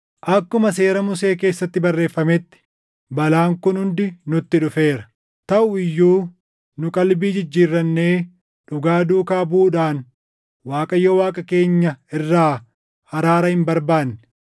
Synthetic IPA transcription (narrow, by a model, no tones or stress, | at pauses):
ʔɐkːʊmɐse̞ːɾɐmʊse̞ːke̞ːsːɐt̪ːɪbɐrːe̞ːfːɐmɛt̪ːɪ̥ | bɐlaːŋkʊnhʊnd̪ɪnʊt̪ːɪᶑʊfe̞ːɾɐ̥ | t̪ɐʔʊɪjːuː | nʊkʼɐlbiːd͡ʒɪd͡ʒːiːrːɐnːe̞ː | ᶑʊɡaːd̪uːkaːbuːᶑaːn | waːkʼɐjːɔwaːkʼɐke̞ːɲːɐɪrːaː | hɐɾaːɾɐhɪmbɐɾbaːnːɪ̥